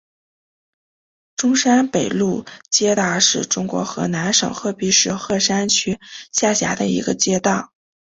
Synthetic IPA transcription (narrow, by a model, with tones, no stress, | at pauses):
ʈ͡ʂʊ˥ŋʂa˥npe˨˩ɪlu˥˩t͡ɕjɛ˥t̪a˥˩ʂɻ̩˥˩ʈ͡ʂʊ˥ŋkwɔ̰˧˥xɤ˧˥na˧˥nʂɤ̰˨˩ŋxɤ˥˩pi˧˥ʂɻ̩˥xɤ˥˩ʂa˥nt͡ɕʰy˥ɕja˥˩ɕja̰˧˥d̪ə̰˧ḭ˧˥ɡə˧t͡ɕjɛ˥t̪ɑ˥˩ʊ